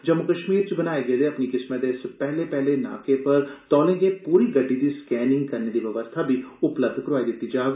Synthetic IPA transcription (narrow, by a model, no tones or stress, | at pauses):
d͡ʒɐmːʊkɐʃmiːɾt͡ʃebɐnaːeɡɐeleɐpnikɪsməd̪eːʃsepɛɦlepɛɦlena̰ːkepɐɾt̪ɔːlẽːŋɡepuːɾiɡɐɖʱːid̪iskɛːnɪ̃ŋɡ̚kɐɾned̪iʋjɐʋəst̪ʰabʱiʊpləb̚d̪ʱkɾaːid̪ɪt̪ːid͡ʒaːɡ